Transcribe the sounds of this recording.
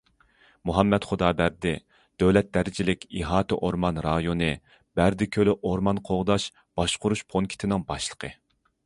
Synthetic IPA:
muɦɑmːɛt̪χod̪ɑːbæɾd̪ɪ | d̪̥øwlɛt̪̚d̪æɾɪd͡ʒilɪkʲiɦɑːt̪ʰɨʔoɾmɑnɾɑjonɨ | b̥æɾd̪ɪkʲʰølɪʔoɾmɑnqʰoʁd̪ɑʃ | b̥ɑʃqʊɾuʃpʰoŋkʲʰi̥t̪ʰɪnɪŋbɑʃlˠə̥qʰə

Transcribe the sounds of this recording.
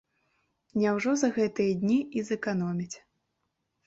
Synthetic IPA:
nʲɛwʐɔzɐɣɛt̪ɨjɐd̪ʲnʲiizɛkanɔmʲit͡sʲ

